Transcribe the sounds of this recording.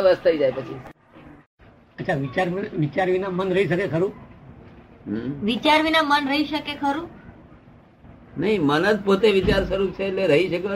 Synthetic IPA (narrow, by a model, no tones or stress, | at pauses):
ʋəst̪ʰəid͡ʒajpət͡ʃʰi | ətːʃʰaʋit͡ʃaɾʋit͡ʃaɾʋinamənɾəɦiʃəkekʰəɾũ | ʋit͡ʃaɾʋinamənɾəɦiʃəkekʰəɾũ | nəɦĩmənəd͡ʒpot̪eʋit͡ʃaɾʃəɾut͡ʃʰeːtleɾəɦiʃəke